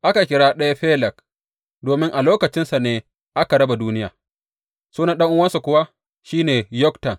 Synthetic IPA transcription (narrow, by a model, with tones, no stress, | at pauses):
ʔa˦ka˨kʲɪ˦ɽaː˦ɗɐ˦ja˦ɸeː˦lɛ˨k | doː˨mɪ˦ŋʔa˨loː˦kɐ˨t͡ʃɪ˦nsa˨neː˦ | ʔa˦ka˨ɽɐ˦ba˨duː˦nɪ˦ja̰ː˨ | suː˦nɐ˦nɗɐ˦ŋʔʊ˦wɐ˦nsa˨kʷʊ˦wa˦ | ʃiː˦neː˨jɔ˦ktɐ˨n